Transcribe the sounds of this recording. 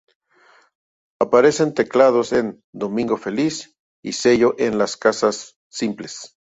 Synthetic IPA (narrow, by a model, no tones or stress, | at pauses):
apaɾe̞se̞nt̪e̞klað̞osen | d̪omĩŋɡofelis | ḭseʝoʔenlaskasasː | imples